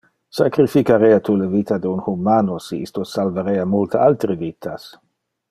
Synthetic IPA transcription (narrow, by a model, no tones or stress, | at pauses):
sakɾifikaɾeat̪ulevit̪ad̪eunhumaːnosiḭst̪osalvaɾeamult̪ealt̪ɾevit̪ʰas